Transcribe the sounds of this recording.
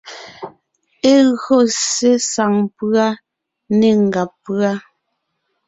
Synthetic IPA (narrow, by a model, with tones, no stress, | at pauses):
e˦ɣo˦˨se˦sa˨ŋpʉ˦a˦ | ne˦˨ŋ̩˨ɡa˨pːɰa˦